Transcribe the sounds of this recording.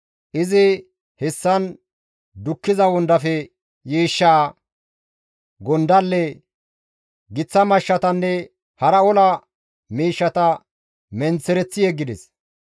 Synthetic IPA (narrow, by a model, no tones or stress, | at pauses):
ʔɪzɪ | hɛsːɐn | d̪ʊkːɪzɐwɔnd̪ɐfɛ | jiːʃːaː | ɡɔnd̪ɐlːɛ | ɡɪt͡sːɐmɐʃːɐt̪ɐnːɛ | hɐɾɐɔlɐ | miːʃːɐt̪ɐ | mɛnt͡sːɛɾɛt͡sːɪjɛɡːɪd̪ɛs